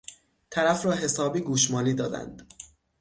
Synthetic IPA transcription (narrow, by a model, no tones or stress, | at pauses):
t̪ʰæɾæfɾɒːɦe̞sɒːbiːɡuːʃmɒːliːd̪ɒːd̪æ̰nd̪̥